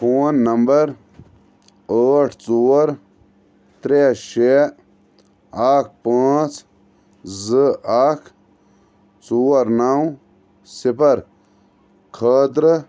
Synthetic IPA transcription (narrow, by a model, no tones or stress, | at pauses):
poːnːɐmbɐɾ | əːʈʰt͡suːɐɾ | t̪ɾeʃe | aːk̚ʰpaːt͡s | zɨaːkʰ | t͡suːɐɾnaw | sipɐɾ | kʰəːt̪ɾ